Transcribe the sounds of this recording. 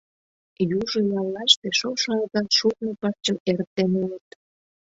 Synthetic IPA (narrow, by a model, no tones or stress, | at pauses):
juʒojɑlːɑʃt̪eʃoʃɑɑkɑʃuk̚nepɑrt͡ɕəeɾt̪ːenulət̪